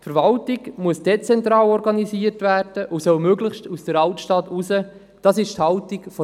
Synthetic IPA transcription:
tfəɾvɑltiɡmuəsd̥ɛt͡sɛntɾɑːlɔɾɡɑniziːətvæːɾd̥əʔusœwmøɡləχʃtusd̥əɾɑltʃtɑtusə | d̥ɑːsɪʃthɑʊtikfɔ

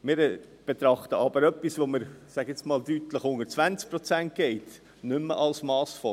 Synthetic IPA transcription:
mɪːɾ | b̥et̪ɾɑχt̪əɑb̥əɾœpːisʋoməɾsæɡɪt͡smɑːldytləχhʊŋət͡svænt͡sk̚pɾɔt͡sænt̚ɡ̥ɛɪt | nʏmːə̰ʔɑlsmɑːsfɔ

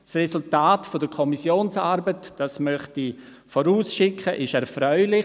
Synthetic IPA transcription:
srɛsʊltaːtfodəkʰɔmisjoːnsaɾbətd̥asmœχti | foɾuːsʃɪkʰəʔɪʃɛɾfɾœʏlɪ

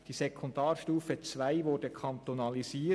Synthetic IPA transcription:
d̥iːsekʰɔndɑːɾʃtuːfət͡svaɪʋʊɾdəkʰɑnt̪onɑliziː

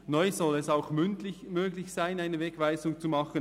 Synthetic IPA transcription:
nɔʏzɔlɛsaʊxmʏntlɪmøːɡlɪçsaɪnaɪnəvɛɡ̥vaɪzʊŋt͡sumɑχən

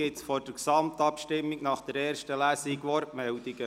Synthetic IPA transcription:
ɪtsfɔɾd̥əksɑmt̪ɑpʃtɪmːiɡnɑχd̥əɾɛːɾʃtəlæːsiɡʋɔɾtmɛld̪iɡə

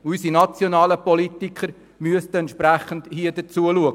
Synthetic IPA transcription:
ysinɑt͡sjonɑːləpolitikʰχəɾ | myəstəɛnt̪ʃpɾæχəndhiədət͡suəluəɡ

